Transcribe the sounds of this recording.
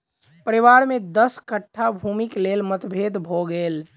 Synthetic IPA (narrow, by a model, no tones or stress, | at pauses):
pəɾiʋaɾmẽd̪əskəʈʰːabʱumiklelmət̪bʱed̪bʱoɡel